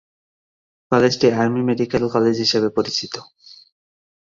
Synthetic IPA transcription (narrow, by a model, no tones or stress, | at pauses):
kɔled͡ʑʈiaɾmimeɖikelkɔled͡ʑɦiʃebepoɾit͡ɕit̪o